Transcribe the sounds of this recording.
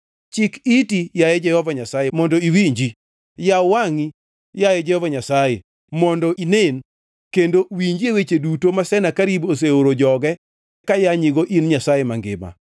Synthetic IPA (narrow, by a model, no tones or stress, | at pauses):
t͡ʃɪkitijajɛd͡ʒɛhɔvaɲasajemɔndɔiwiɲd͡ʒi | jawaŋi | jajɛd͡ʒɛhɔvaɲasaje | mɔndɔʔinen | kendowiɲd͡ʒiewet͡ʃedutomasɛnakaɾibos̬eoɾod͡ʒɔɡɛ | kajaɲiɡoʔinɲasajemaŋɡɪ̰ma̰